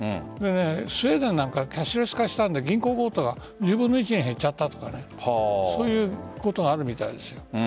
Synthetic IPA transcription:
d̪e̞ne̞sɨed̪enãŋkakʲaɕiɾosi̥kaɕi̥t̪ãnd̪e̞ɡʲĩŋko̞ːɡo̞ːt̪oɡa | d͡ʑɨːbɯ̃nːoit͡ɕiɲiɦe̞t͡ɕːat̪ːat̪o̞̥kane̞ | hso̞ːjɯ̟ːko̞t̪o̞ɡaːɾɯ̟mʲit̪aid̪e̞sɨ̥jo̞

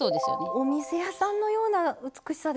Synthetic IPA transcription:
o̞ːd̪esɨjo̰neomʲise̞jasãnːo̞jo̞ːnaɯ̟t͡sɨ̥kɯ̟ɕi̥sad̪

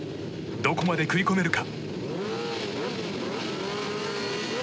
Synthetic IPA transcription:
d̪o̞ko̞mad̪e̞kɯiko̞me̞ɾɯ̟ka

